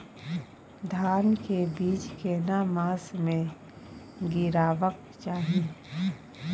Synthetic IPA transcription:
d̪ʱaːnkebiːd͡ʒkenamãːsmẽ | ɡɪɾaːʋək̚ | t͡ʃaːɦie

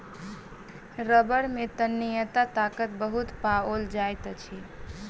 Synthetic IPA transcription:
ɾəbəɽmet̪ənːijət̪at̪akət̪̚bəɦut̪paold͡ʒajt̪t͡ʃʰi

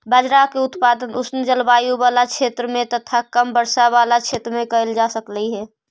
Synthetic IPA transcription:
bəd͡ʒɾaːkeʊt̪paːd̪ənʊsned͡ʒəlbaːjubaːlakt͡ʃʰeːt̪ɾəmẽt̪ət̪ʰakəmbəɾsaʋaːlat͡ʃʰeːt̪ɾəmẽkəəld͡ʒaːsəkləiɦɛː

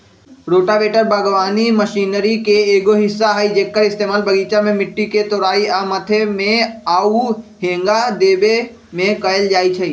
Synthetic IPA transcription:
ɾoːʈabeːʈəɾbəɡʋaːniməʃiːnəɾikeeːɡoɦɪsːaɦəid͡ʒeːkːəɾɪst̪eːmaːlbəɡiːt͡ʃamẽmɪʈːiket̪oɾaːiamət̪ʰemẽaːuɦẽːŋɡad̪eːbe | mẽkəeld͡ʒaːit͡ʃʰəi

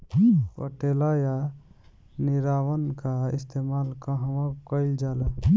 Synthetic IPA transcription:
pə̰ʈelaja | niɾawənkaḭst̪ʰemalkə̃ɦəmãkəɪld͡ʒalə

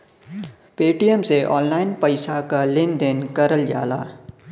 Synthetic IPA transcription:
peːʈijəmseʔɔːnlaːɪnpəɪsakalɪ̃nd̪ɪnkəɾəld͡ʒa̰ːla̰ː

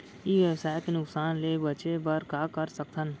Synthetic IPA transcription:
iːʋjəwsaːjt̪enʊksaːnleːbət͡ʃebəɾkaːkəɾsək̚t̪ʰən

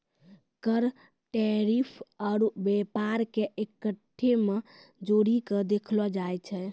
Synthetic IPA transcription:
kəɾ | ʈeɾipʰaɾbepaɾkeʔekəʈʰːemed͡ʒoɾikəd̪ekʰlɔd͡ʒajt͡ʃʰɛ

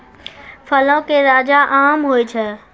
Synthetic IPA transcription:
fʰɐlõkeɾaːd͡ʑaʔaːmɦoːet͡ɕʰɐ

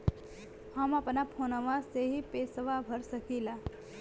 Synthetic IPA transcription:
həmɐpnapʰoːnəʋaseɦipeːsəʋabʱəɾsəkila

